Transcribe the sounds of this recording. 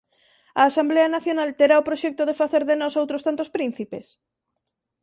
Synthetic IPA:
ɐːsambleɐnaθjonalt̪eɾaopɾoʃɛk̚t̪oðefaθeɾðenɔsowt̪ɾost̪ant̪ospɾĩn̟θipes

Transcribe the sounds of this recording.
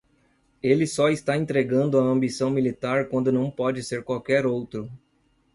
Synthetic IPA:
elɪsɔist̪aẽnt̪ɾeɡɐ̃nd̪ʊɐɐ̃mbisɐ̃w̃milit̪aɾkwɐ̃nd̪ʊnɐ̃w̃pɔd͡ʒɪseɾkwawkɛɾowt̪ɾʊ

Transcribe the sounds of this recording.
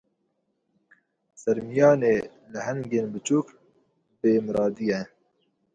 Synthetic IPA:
sɐɾmijɑːneː | lɨhɛŋɡeːnbɨt͡ʃuːk | beːmɨɾɑːd̪ijɛ

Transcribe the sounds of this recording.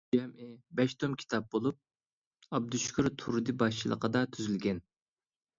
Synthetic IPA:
ɛmʔɪbɛʃt̪ʰomkʲʰi̥t̪ʰɑp̚bolˠup̚ | ɑb̚d̪uʃkʰʲuɾt̪ʰuɾd̪ɨbɑʃt͡ʃʰilˠə̰qəd̪ɑt̪ʰyzylɡʲɛn

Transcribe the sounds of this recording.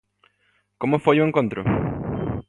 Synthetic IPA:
komʊfojuẽŋkõnt̪ɾʊ̰

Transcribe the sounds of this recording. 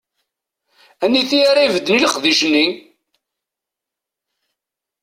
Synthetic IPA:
ænːiθiaɾaivəd̪ːəniləqðiʃənːi

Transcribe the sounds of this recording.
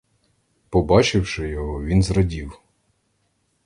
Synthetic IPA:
pɔbɑt͡ʃɪwʃɪjɔɦɔʋʲinzɾɐdʲiw

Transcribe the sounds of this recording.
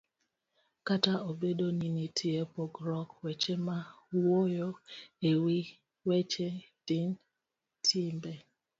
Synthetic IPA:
kataʔobedoninitʰiepoɡɾɔkwɛt͡ʃema | wojoewi | wɛt͡ʃed̥in | tʰimbɛ

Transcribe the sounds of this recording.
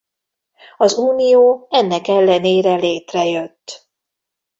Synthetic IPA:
ɒzuːnijoːɛnːɛkɛlːɛneːɾɛleːt̪rɛjøt̪ː

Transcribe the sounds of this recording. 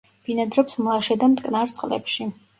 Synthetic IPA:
b̥inad̪ɾɔpsmlˠaʃɛd̪amt̪ʼkʼnaɾt̪sʼqʼlɛ̰pʃi

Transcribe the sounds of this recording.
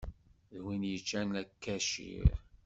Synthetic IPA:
ðwinjət͡ʃːænækːæʃḭɾ

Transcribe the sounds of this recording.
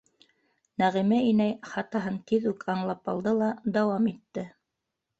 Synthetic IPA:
næʁimæinæjχɑt̪ɑɦɤŋt̪iðʉkʰɑɴlˠɑpɑlˠd̪ɤlˠɑd̪ɑwɑmit̪ːɘ

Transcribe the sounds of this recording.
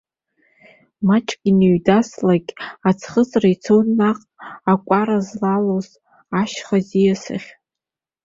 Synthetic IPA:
mat͡ʃʼkʲʼiniɥdaslaɡʲʼat͡sʰχət͡sʼrait͡sʰownːaqʼakʷʼaɾazlaloz | aʃχazijasɨ̰χʲ

